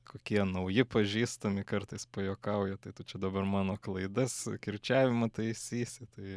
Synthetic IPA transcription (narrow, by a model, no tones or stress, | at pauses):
koːkʲiɛnɐʊjɪpɐʒʲiːst̪ɐmʲɪkɐrt̪ɐɪspɐjoːkɐʊjɛt̪ɐɪt̪ʊt͡ʃʲɛd̪ɐbɐrmɑːnoːklˠɐɪd̪ɐskʲɪrʲt͡ʃʲæːʋʲɪmɐt̪ɐɪɪsʲiːsʲɪt̪ɐɪ